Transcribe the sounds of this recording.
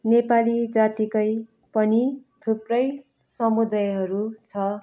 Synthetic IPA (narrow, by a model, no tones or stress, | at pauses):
nepalid͡zat̪ikʌj | pʌnit̪ʰuprʌj | sʌmud̪ajɦʌɾut͡sʰʌ